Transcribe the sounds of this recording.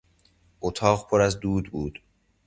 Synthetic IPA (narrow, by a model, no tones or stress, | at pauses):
ʔot̪ʰɒːɣpʰoɾæzd̪uːd̪buːd̪̥